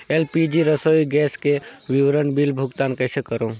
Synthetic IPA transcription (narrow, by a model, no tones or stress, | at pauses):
elpid͡ʒiɾəsoiɡɛːskeʋiʋɾənbilbʱuɡt̪aːnkəɪsekəɾõ